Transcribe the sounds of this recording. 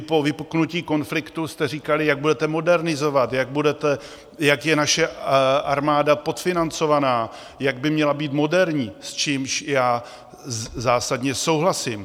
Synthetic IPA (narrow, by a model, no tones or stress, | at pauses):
povɪpuknuciːko̞nflɪkt̪ust̪ɛriːkalɪjaɡ̚budɛt̪ɛmo̞dɛɾnɪzo̞vat̪jaɡ̚budɛt̪ɛ | jakjɛnaʃɛʔaɾmaːdapo̞t̪fɪnant͡so̞vanaː | jaɡ̚bɪmɲɛlabiːt̪mo̞dɛɾɲiːst͡ʃiːmʃjaː | zaːsadɲɛso̞wɦlasɪm